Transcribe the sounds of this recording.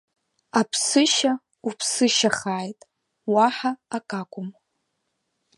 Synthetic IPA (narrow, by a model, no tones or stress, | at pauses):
apʰsɨʃa | upʰsɨʃaχaːjtʼ | waħaːkʼakʷʼʊm